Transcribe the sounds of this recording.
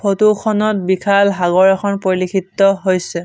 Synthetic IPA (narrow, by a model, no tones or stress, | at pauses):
pʰotukʰɔnɔt̚bikʰalɦaɡɔɹɛxʰɔnpoɹlikʰitːɔɦojsɛ